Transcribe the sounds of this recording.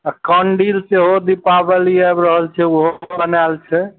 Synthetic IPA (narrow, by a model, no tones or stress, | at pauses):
akɔɳɖilseɦod̪ipabeliɛbɾəɦəlt͡ʃʰɛuɦobənalt͡ʃʰɛ